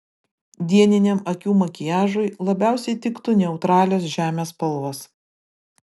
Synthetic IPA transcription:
d̪ʲiɛnʲɪnʲɛmɐkʲuːmɐkʲɪjæːʒʊɪlˠɐbʲæˑʊsʲɛɪt̪ʲɪkt̪ʊnʲɛʊt̪ɾɑːlʲoːsʒʲæːmʲeːspɐlˠʋɐs

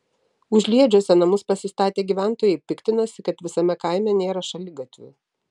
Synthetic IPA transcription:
ʊʒʲlʲiɛd͡ʒʲosʲɛnɐmʊspɐsʲɪst̪ɑːt̪ʲeːɡʲiːʋʲæˑnˑt̪oːjɛɪpʲɪkt̪ʲɪnɐsʲɪkɐt̪ʋʲɪsɐmʲɛkɐˑɪmʲɛnʲeːɾɐʃɐlʲɪɡɐt̪ʲʋʲʊ̰

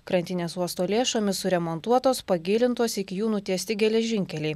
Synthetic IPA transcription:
kɾɐnʲt̪ʲɪnʲeːsuɔst̪oːlʲeːʃoːmʲɪsʊɾʲɛmoːnt̪uɔt̪oːspɐɡʲɪːlʲɪnt̪oːsɪkʲɪjuːnʊt̪ʲiɛsʲt̪ʲɪɡʲɛlʲɛʒʲɪŋʲkʲɛlʲɛɪ

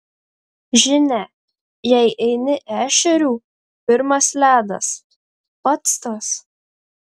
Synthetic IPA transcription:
ʒʲɪnʲɛ | jɛɪʔɛɪnʲɪʔæːʃʲɛɾʲuː | pʲɪɾmɐslʲæːd̪ɐ̰s | pɐt̪st̪oːs

